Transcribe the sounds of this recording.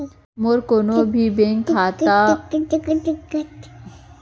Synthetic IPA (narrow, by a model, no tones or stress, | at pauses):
moɾkonobʱibẽːŋkʰaːt̪a | ɪkːət̪